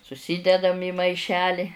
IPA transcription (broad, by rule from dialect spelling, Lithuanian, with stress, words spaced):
sʊˈsʲiːdʲɛdɐm iː mɐɪˈʃʲæːlʲɪ